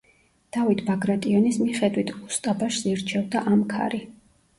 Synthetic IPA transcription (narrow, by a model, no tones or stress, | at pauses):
d̪̥avit̪ʰbaɡɾat̪ʼiɔnismiχɛd̪wit̪ʰust̪ʼabaʃsiɾt͡ʃʰɛvd̪aʔamkʰa̰ɾi